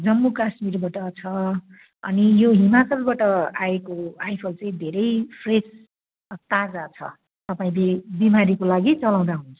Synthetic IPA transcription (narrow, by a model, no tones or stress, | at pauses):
d͡zʌmːukasmirbaʈʌt͡sʰʌ | ʌ̰nijoɦimat͡sʌlbaʈʌaekoajpʰʌlt͡sʌĩd̪ʱeɾʌjpʰres | t̪ad͡zat͡sʰʌ̰ | t̪ʌpaĩlebimaɾikolaɡit͡sʌlaw̃d̪aɦunt͡sʰʌ̥